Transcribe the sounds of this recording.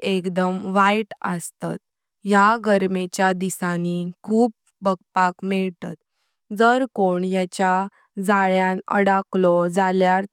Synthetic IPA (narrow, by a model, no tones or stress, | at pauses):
ekd̪əmʋajʈəst̪a̰t̪̚ | jaɡəɾmet͡ɕjad̪isanikʰuːp̚ː | əɡ̚pakmɛɭt̪a̰t̪ | d͡zəɾkoɳjat͡ɕja | d͡zaɭjãnə̰ɽaklɔd͡zaljaɾ